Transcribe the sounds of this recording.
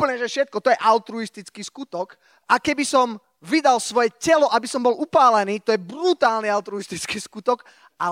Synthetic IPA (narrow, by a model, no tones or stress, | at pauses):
pəɲɛʒɛfʃɛt̪̚kɔt̪ɔjɛʔaʊt̪ɾuist̪it͡skiːskut̪ɔk | akɛbisɔm | ʋid̪alsʋɔjɛcɛlɔʔabisɔmbɔlupaːlɛniːt̪ɔjɛbɾut̪aːlniaʊt̪ɾuist̪it͡skiːskut̪ɔk | a